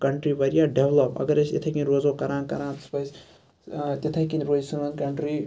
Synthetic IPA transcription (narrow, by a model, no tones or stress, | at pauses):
kɐɳʈɾibɐɾijaɖeʋlɐpɐ̰ɡɐɾest̪et̪ʰɐjkinɾozokɐɾãːnkɐɾãnt̪ɐ̥spɐs | t̪et̪ʰɐkinɾozsunɐnkɐɳʈɾi